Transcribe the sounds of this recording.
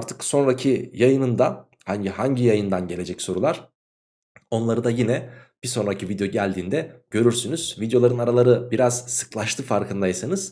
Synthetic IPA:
aɾt̪ʰɯ̥kso̞nɾacʰijajɯnɯnd̪a | haɲɟihaɲɟijajɯnd̪anɟe̞lʲe̞d͡ʒɛcso̞ɾulˠaɾ̥ | o̞nlˠaɾɯd̪ajinɛb̥iso̞nɾacʰivid̪jo̞ɟælʲd̪iːnd̪ɛɟ̥ø̞ɾyɾsynyz̥vid̪jo̞lˠaɾɯnaɾalˠaɾɯbiɾaz̥sɯ̥klˠaʃt̪ʰɯfaɾkʰɯnd̪ajsanɯz̥

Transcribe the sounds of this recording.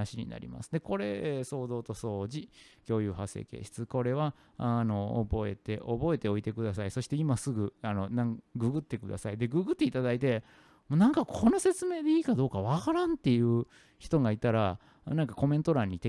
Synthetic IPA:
aɕiɲ̟ḭna̰ɾʲḭma̰sɨ̥d̪e̞ko̞ɾe̞so̞ːd̪o̞ːt̪o̞so̞ːʑikʲo̞ːjɯ̟ːɦasḛːke̞̰ːɕi̥t͡sɨko̞ɾe̞βa | ano̞̰ːbo̞e̞t̪e̞ʔo̞bo̞e̞t̪e̞o̞it̪e̞kɯ̟d̪asaiso̞ɕi̥t̪e̞imasɨɡɯ̟ano̞nãŋɡɯ̟ɡɯ̟t̪ːe̞kɯ̟d̪a̰said̪e̞ɡɯːɡɯ̟t̪ːe̞it̪ad̪ait̪e̞ | monãŋkakʰo̞no̞se̞t͡sɨme̞ːd̪e̞iːkad̪o̞ːkaβ̞akaɾãnt̪ːe̞jɯ̟ː | çi̥t̪o̞ɡait̪aɾa | nãŋkako̞mẽ̞nt̪o̞ɾãɲ̟ːit̪e

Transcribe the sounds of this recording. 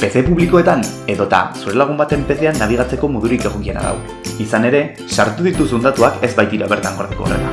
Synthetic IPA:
pe̞sepuβliko̞e̞t̪an | e̞ðo̞t̪a̰suɾe̞laɣ̞umbat̪e̞mpe̞se̞anːaβ̞iɣ̞at͡se̞ko̞moðuɾike̞ɣ̞o̞kiena̰ða̰w | isane̞ɾe̞ | saɾt̪uðit̪usund̪at̪uake̞zbajt̪iɾaβ̞e̞ɾt̪aŋɡo̞ɾðekoo̰re̞̰la

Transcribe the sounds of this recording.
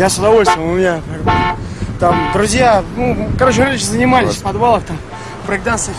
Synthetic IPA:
jasʊd̪ɐvo̞lʲst̪vʲəmʊmʲɪnʲapʲɾ | t̪amd̪ɾʊzʲjanukɐɾot͡ɕɪmʲet͡ɕzənʲɪmalʲɪsʲfpɐd̪balˠəxt̪am | pɾɨɡ̚d̪anst̪ə

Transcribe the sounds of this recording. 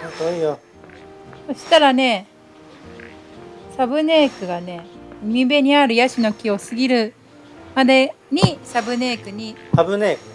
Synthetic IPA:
toijo | so̞ɕi̥t̪aɾane̞ | sabɯ̟ne̞ːkɯ̟ɡane̞imʲibe̞ɲ̟iaɾɯ̟jaɕino̞kʲio̞sɨɡʲiɾɯ̟ | mad̪e̞ | ɲ̟isabɯ̟ne̞ːkɯ̟ɲ̟isabɯneːkɯ̥

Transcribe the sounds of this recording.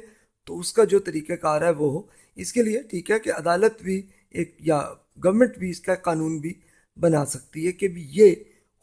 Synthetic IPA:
t̪oʊskad͡ʒoːt̪ɐɾiːqekaːɾɦɛʋoɦo | ɪskelieʈʰiːkɦɛkeɐd̪aːlət̪bʱi | eːk̚ja | ɡɐʋmə̃ɳʈbʱiɪskaekːaːnuːnbʱi | bɐnaːsɐk̚t̪iɦɛkebʱje

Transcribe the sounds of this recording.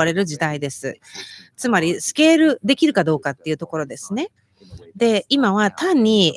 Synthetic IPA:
aɾe̞ɾɯ̟ʑid̪aid̪e̞sɨ̰t͡sɨmaɾʲisɨ̥ke̞ːɾɯ̟d̪e̞kʲiɾɯ̟kad̪o̞ːkat̪ːe̞iɯ̟t̪o̞ko̞ɾo̞d̪e̞sɨ̥ne̞ | d̪e̞imaβ̞at̪ãɲ̟ːi

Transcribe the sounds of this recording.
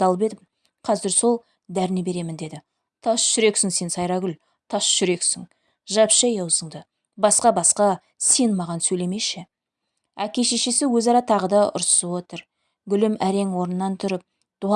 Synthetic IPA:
ɑlˠəp̬e̞d̪ɪp | qʰɑzɪɾso̞lˠ | d̪æɾɪne̞be̞ɾe̞mɪnd̪e̞d̪ɪ | t̪ʰɑsʃʏɾe̞ksɪŋse̞nsɑjɾɑɡʲʏl | t̪ʰɑsʃʏɾe̞ksɪŋ | ʒɑpʃɑjɑwsəɴd̪ə | bɑsqɑbɑsqɑ | se̞nmɑʁɑnsɵjle̞me̞ʃɪ | ækʲe̞ʃeʃesɪwɵzɑɾɑt̪ʰɑʁəd̪ɑʊ̰ɾssəwo̞t̪əɾ | ɡʲʏlɪmæɾe̞ŋwo̞ɾənnːɑnt̪ʰʊɾəp̚ | d̪̥uɑ

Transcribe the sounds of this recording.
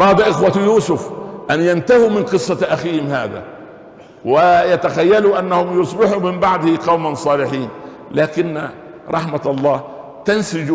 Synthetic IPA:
ɾˤɑːd̪ʔɪxwat̪juːsʊfʔanjant̪ahimɪnqɨsˤːɑʔaxiːhɪmhaːd̪a̰ | wɪjat̪axajːaluʔanːahʊmjʊsˤbɪħumɪmbaʕd̪hɪqɑwmansˤɑːlɪħiːn | laːkɪnːa | ɾˤʔɑħmaɑlˤːɑː | t̪ansɪd͡ʒ

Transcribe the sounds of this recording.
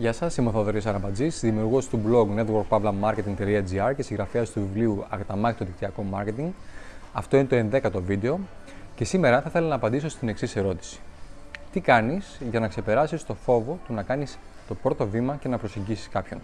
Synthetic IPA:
ʝɐsɐsimoθoðoɾisɐɾɐpɐd͡zisðimiuɾɣost̪ublo̞ɡne̞t̪woɾɡ̚pɐvlɐmɐɾke̞t̪iŋɡt̪eliɐd͡ziɐɾcesiŋɣɾɐfeɐst̪uvivliuɐkɐt̪ɐmɐçit̪oðik̚t̪iɐko̞mɐ̰ɾce̞t̪iŋɡɐft̪o̞inet̪oe̞nðe̞kɐt̪o̞vid̪e̞o̞ | ce̞sime̞ɾɐθɐθe̞lonɐːpɐnd̪iso̞st̪ine̞ksise̞ɾo̞t̪i̥si̥t̪ikɐnisʝɐnɐkse̞pe̞ɾɐsist̪o̞fo̞vo̞t̪unɐkɐnist̪o̞pɾo̞t̪o̞vimɐce̞nɐpɾo̞se̞ɲɟisi̥skɐpço̞̰n

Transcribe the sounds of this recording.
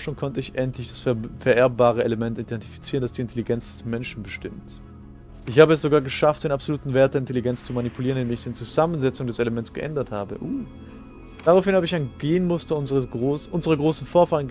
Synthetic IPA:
ʃoːnkʰɔntəɪçʔɛntʰlɪçd̥asfɛɐʔɛɐbaːʁ̞əeləmɛntidɛnti̥fi̥t͡siːʁəndasd̥iːɪntʰeliɡɛnt͡sd̥ɛ̥smɛnʃn̩bəʃtɪmt | ʔɪçhaːbəɛsz̥oɡaːɐɡəʃaft̚d̥eːnapz̥oluːtn̩veːɐt̚d̥eɐɪntʰeliɡɛnt͡st͡sumanipʰuliːʁənɪdemɪçd̥eːnt͡suzamənzɛt͡sʊŋdɛseləmɛntsɡ̥ə̰ʔɛ̰ndɐthaːbə̰ʔu | d̥aʁaʊfɪnhaːbəɪçaɪnɡeːənmʊstɐʊnzəʁəɡʁoːsʔʊnzəʁ̞ɐɡʁoːsn̩foːɐfaːʁən

